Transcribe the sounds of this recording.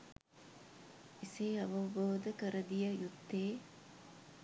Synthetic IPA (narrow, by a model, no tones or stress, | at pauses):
iseːɐʋɐʋoːd̪ɐkɐɾɐd̪ijɐjut̪ːeː